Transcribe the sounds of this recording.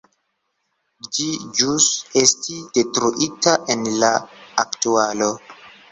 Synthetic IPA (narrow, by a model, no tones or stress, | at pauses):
d͡ʒid͡ʒusestidetɾuʔitaʔenlaːktualo̞